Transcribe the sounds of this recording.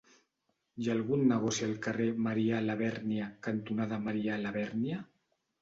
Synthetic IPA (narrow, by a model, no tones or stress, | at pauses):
jalˠɣunːəɣɔsialˠkaremaɾialaβɛɾniakant̪unaðamaɾialaβɛɾnja